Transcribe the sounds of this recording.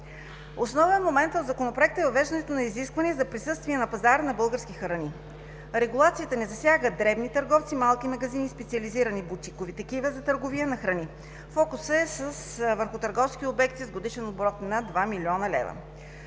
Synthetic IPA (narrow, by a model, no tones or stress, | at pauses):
osnɔvɛnmomɛnt̪od̪zɐkonopɾoɛk̚t̪əɛvɐvɛʒd̪ɐnɛt̪onɐiziskvɐniɛzɐpɾisɤst̪viɛnɐpɐzaɾənɐbɤlˠɡəɾskʲixɾɐni | ɾɛɡulˠat̪siət̪ənɛzɐsʲjaɡəd̪ɾɛbnit̪əɾɡɔft̪simalˠkimɐɡɐzinispɛt̪siɐliziɾɐnibut̪ikovit̪ɐkivəzɐt̪əɾɡoviənɐxɾɐni | fɔkʊsəɛsəsvəɾxʊt̪əɾɡɔfsk̟iobɛkt̪izɡod̪iʃɛnobɾɔt̪nɐd̪vamilʲiɔnɐlɛ̰vɐ̰